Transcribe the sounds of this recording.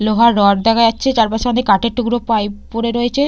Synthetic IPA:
loɦaɾːɔɖ̚d̪ɛkʰajatːɕʰet͡ɕaɾpaʃoad̪ekaʈeɾʈukɾopajpoɾeɾoet͡ɕʰe

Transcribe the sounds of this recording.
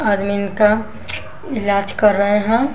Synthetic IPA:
ad̪minka | ɪlaːd͡ʒkəɾːəɦeɦɛ̃

